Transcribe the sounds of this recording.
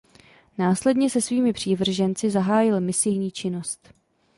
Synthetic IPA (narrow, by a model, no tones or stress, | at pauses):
naːslɛdɲɛsɛsviːmɪpr̝̥iːvr̩ʒɛnt͡sɪzaɦaːjɪlmɪsɪjɲiːt͡ʃɪno̞st̪